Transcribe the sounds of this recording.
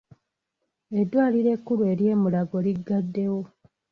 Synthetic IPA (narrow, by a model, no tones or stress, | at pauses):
e̞dwaːliɾe̞kːulue̞ɾje̞ːmulaɡo̞liɡːadːe̞wo̞